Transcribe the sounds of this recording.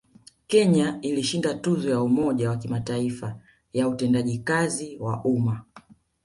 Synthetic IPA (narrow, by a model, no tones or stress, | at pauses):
kɛɲailiʃindatuzɔjaumɔʄawakimataifa | jautɛndaʄikaziwa̰ʔuma